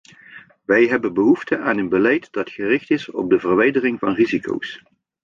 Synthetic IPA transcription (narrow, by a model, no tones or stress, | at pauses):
ʋɛjɦɛbənbəɦuftəʔaːnənbəlɛjtd̥ɑtχərɪχtɪsɔ̰b̚dəvərʋɛjdərɪŋvɑnrizikʰo̰ws